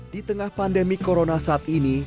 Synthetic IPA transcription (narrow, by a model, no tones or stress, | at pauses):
d̥it̪əŋahpandemikoɾonasaat̪ini